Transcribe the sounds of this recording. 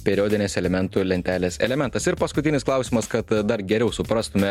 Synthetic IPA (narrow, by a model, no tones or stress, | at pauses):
pʲɛɾʲoːd̪ʲɪnʲeːsɛlʲɛmʲɛnt̪ulʲɛnʲt̪ʲæːlʲeːsɛ̰lʲɛmʲɛnt̪ɐsɪɾpɐskʊt̪ʲɪnʲɪsklˠɑˑʊsʲimɐskɐt̪d̪ɐɾɡʲɛɾʲɛʊsʊpɾɑst̪ʊmʲɛ